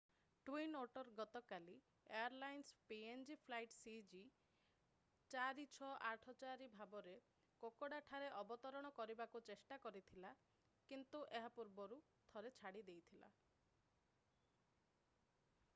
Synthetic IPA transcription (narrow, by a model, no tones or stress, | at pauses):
ʈwinoʈɔɾɡɔt̪ɔkali | eaɾlajnspiend͡ʒipʰlajʈsid͡ʒi | t͡ʃaɾit͡ʃʰɔʔaʈʰɔt͡ʃaɾibʱabɔɾe | kokoɽaʈʰaɾeʔɔbɔt̪ɔɾɔɽ̃ɔkɔɾibakut͡ʃesʈakɔɾit̪ʰila | kint̪uʔeɦapuɾbɔɾu | t̪ʰɔɾet͡ʃʰaɽid̪ejt̪ʰila̰